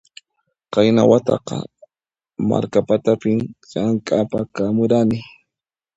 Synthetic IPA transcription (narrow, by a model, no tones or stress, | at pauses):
qɑjnawat̪ɑ̰qɑ̰ | ma̰ɾkapat̪apɪmʎaŋkʼapakamʊɾanɪ